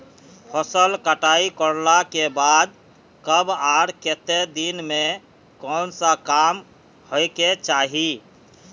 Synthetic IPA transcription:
pʰəsəlkəʈaikəɾlakebad̪̚ | kəbaɾket̪ed̪inme | kɔnsakam | hoɪket͡ʃaːɦi

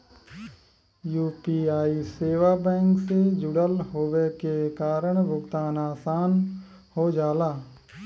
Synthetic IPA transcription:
juːpiaːiseːʋabɛ̃ːŋksed͡ʒʊɽəlɦoːʋekekaːɾəɽ̃bʊkt̪aːnaːsaːn | hod͡ʒaːlaː

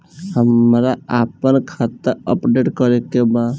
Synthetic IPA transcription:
həmɾaapənkʰat̪əɾə̰pɖeʈkəɾekeba

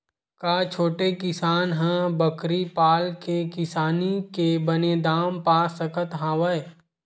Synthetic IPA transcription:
kaːt͡ʃʰoːʈekɪsaːnɦə̃bəkɾipaːlkekɪsaːnikebəned̪aːmpaːsəkʰət̪ɦãːʋəe

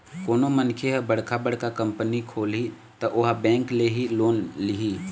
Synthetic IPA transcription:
koːnomənkʰeɦbəɽ̤kʰabəɽ̤kakə̃mpənikʰoːli | t̪ɔʔoɦabɛ̃ːŋkleɦiloːnliɦi

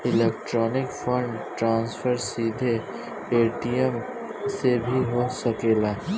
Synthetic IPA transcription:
ɪleːk̚ʈɾɔːnɪkfʰə̃ɳʈɾãːnsfəɾsiːd̪ʱe | eːʈijəm | sebʱiɦosɐkeːlaː

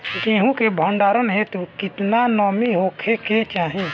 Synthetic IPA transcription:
d͡ʒẽɦũkebʱə̃ɳɖaːɾənɦɛt̪okɪt̪nanɔːmiɦokʰeket͡ʃaːɦẽ

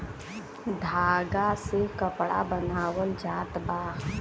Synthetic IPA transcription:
d̪ʱaːɡasekəpɽa̰bənaːwəld͡ʒaːt̪baː

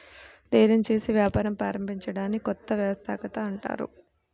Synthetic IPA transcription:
d̪ɐjɾɐmt͡ʃeːsiʋjaːpaːɾɐmpɾaːɾɐmbʱiɲt͡ʃɐɽaːnːkɔt̪ːɐʋjɐʋɐst̪ʰa̰ːkɐt̪ɐːɳʈa̰ːɾṵ

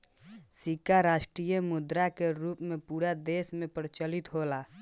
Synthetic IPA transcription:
sikaɾaʃʈɾijəmud̪ɾakeɾupmepuɾad̪esmepɾt͡ʃəlit̪ɦola

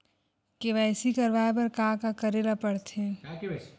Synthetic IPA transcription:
keʋɛːsikɐɾʋaːep̬ɐɾkaːkakɐɾeːlapɐɽt̪ẽ

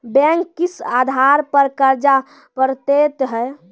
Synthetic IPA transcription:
bɛ̃ŋkːisad̪ʱaɾpəɾkəɾd͡ʒa | pəɾt̪et̪ɦɛ

